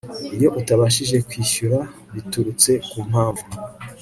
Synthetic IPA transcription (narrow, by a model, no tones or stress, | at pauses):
iɾjo̞ʔutaβaʃ̬iʒe̞kwiːʃuɾa | βituɾut͡se̞kum̥haːɱvu